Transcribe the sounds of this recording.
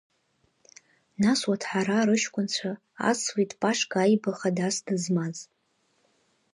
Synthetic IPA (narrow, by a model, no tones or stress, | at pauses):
naswatʰħaɾaɾɨʃkʷʼʊnt͡ɕʷʰa | a̰switʼpʼaʂɡʼajbaχadasdɨzmaz